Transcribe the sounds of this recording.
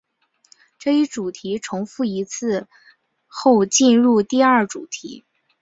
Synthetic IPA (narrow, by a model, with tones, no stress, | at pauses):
ʈ͡ʂɤ˥˩i˥˩ʈ͡ʂu˨˩t̪ʰi˧˥ʈ͡ʂʰʊ˧˥ŋfu˥˩i˧˥t͡sʰɹ̩˥˧ | xo˥˧ʊt͡ɕi˥˧nɻu˥˧t̪i˥˧ɐ˞˥˩ʈ͡ʂu˨˩t̪ʰḭ˧˥